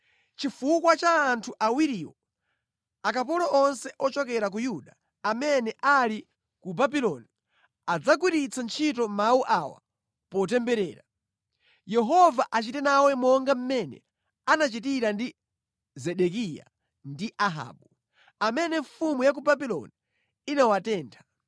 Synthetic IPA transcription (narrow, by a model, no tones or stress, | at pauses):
t͡ʃifukwat͡ʃaːntʰuʔawiɾiɔ | akap̬ɔlɔʔɔnsɛʔɔt͡ʃɔkɛɾak̬ujuɗaː | mɛnɛʔali | kubabilɔni | ad͡zak̬wiɾit͡sʰant͡ʃʰitɔmauʔawa̰ | pɔtɛmbɛɾɛːɾa | jɛɦɔvaʔat͡ʃitɛnawɛmɔŋɡam̩mɛnɛ̰ | anat͡ʃit̬iɾandi | zɛɗɛkija̰ | ndiʔaɦa̰ːɓu | amɛnɛɱfumujak̬ubabilɔ̰ni | inawatɛːntʰḁ